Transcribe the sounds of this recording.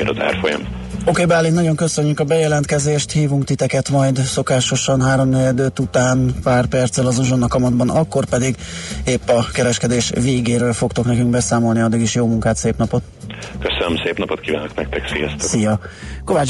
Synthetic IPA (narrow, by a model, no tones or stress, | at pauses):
eɾɒza̰ːrfo̰jɒ̰m | okeːbaːlːit̪nɒɟo̞ŋkø̞sø̞ɲːykɒbɛjɛlɛnt̪kɛzeːʃt̪hiːvuŋkt̪it̪ɛkɛt̪mɒjd̪so̞kaːʃo̞ʃɒnɦaːɾo̞mnɛjɛd̪øːt̪ut̪aːnpaːrpɛrt̪sɛlɒzuʒo̞nːɒkɒmɒd̪̚bɒnɒkːo̞rpɛd̪iɡeːpːɒkɛɾɛʃkɛd̪eːʃveːɡeːɾøːlfo̞kt̪o̞knɛkyŋkbɛsaːmo̞lniɒd̪ːiɡiʃjoːmuŋkaːt̪seːpnɒpot̪køsønømseːpnɒpot̪kiːvaːnoknɛk̚t̪ɛksijɒ̰st̪ɛsijɒko̞vaːt͡ʃ